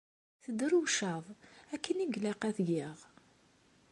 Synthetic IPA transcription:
θəd̪ɾuwʃɑðˤækʰːəniɡlæqæθɡiʁ

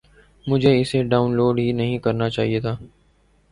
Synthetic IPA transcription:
mʊd͡ʒʱeɪseɖaːʊnloːɖɦiːnəɦĩkəɾnat͡ʃaːɦiet̪ʰaː

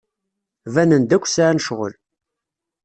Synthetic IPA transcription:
vænənd̪ækʷːsaʕænəʃʁə̰l

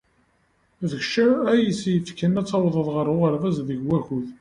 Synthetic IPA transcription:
ðəçʃææjisjəfkənæt͡sːɑwðˤəðˤʁəɾˤʊʁəɾvæzðəʝwæçuð

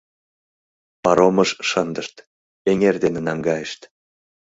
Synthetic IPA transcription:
pɑɾomɤʃʃənd̪əʃt̪ | eŋerd̪enĕnɑŋɡɑjeʃt̪

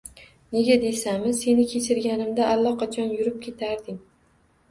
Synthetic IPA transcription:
ne̞ɡʲad̪e̞samɪse̞nɪkʲʰe̞t͡ʃʰɪɾɡʲanɪmd̪aʔːlˠːɒqʰɑt͡ʃʰɒnjʊɾɪp̚kʲʰe̞t̪ʰaɾd̪ɪŋ

